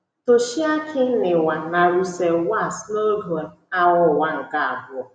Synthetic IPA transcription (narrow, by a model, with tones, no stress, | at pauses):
to˨ʃi˦a˦kʰɪ˦nɪ˨wa˨na˨ɾu˦se˨wa˦˨sno˦do˨˦a˦wʊ˦˨wa˦ŋ̩˨ka˨a˨bʊ˦ɔ˨